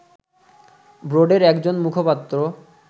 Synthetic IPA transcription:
bɾoɖeɾɛkd͡ʑonmukʰopat̪ːɾo

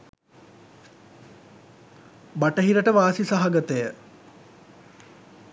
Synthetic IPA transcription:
baʈəɦiɾəʈəʋaːsisaɦaɡɐt̪əjə

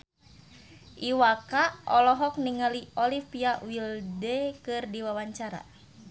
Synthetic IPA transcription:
ʔiwakaʔɔlɔɦɔk̚niŋaliʔɔlifiawildɛkɨrdiwawaɲt͡ʃaɾa̰

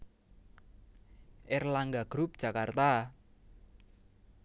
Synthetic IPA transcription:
ʔɪrlaŋɡaɡ̥ɾup̚d̥ʒ̥a̤kart̪a

